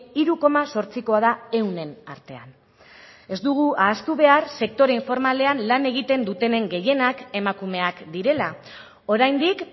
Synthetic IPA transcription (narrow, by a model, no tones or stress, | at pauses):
iɾuko̞maso̞ɾt͡siko̞að̞ae̞wne̞na̰ɾt̪e̞a̰n | e̞zd̪uɣ̞uʔaːst̪uβe̞aɾse̞k̚t̪o̞ɾeiɱfo̞ɾmale̞anlane̞ɣ̞it̪e̞nd̪ut̪e̞ne̞ŋɡe̞je̞nake̞makume̞akd̪iɾe̞la | o̞ɾajnd̪ik